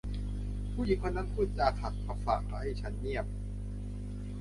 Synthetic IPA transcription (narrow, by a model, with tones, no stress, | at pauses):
pʰuː˥˩ji˨˦kʰo˧nːa˦˥npʰuː˥˩t̪̚t͡ɕaː˧kʰa˨˩t̪̚pʰa˧˥fa̰ː˨˩k̚t̪a˧˩ha˥˩jt͡ɕʰa˦˥nːi˥˩əp̚